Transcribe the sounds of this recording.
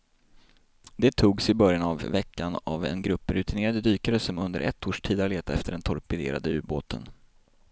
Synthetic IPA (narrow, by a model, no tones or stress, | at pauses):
d̪ɛt̪ʰuːɡsɪbœɾjanavːɛkːana̰vɛ̰nɡɾɵpːəɾɵ̟t̪ʰɪneːɾad̪əd̪yːkaɾəsɔmɵnd̪ə̰ɾʔɛ̰t̪ʰːoːʂʈʰiːd̪aleːt̪aɛft̪əɖɛnt̪ʰɔɾpɛd̪ḛːɾa̰d̪əʉ̟ːboːt̪ʰə̰n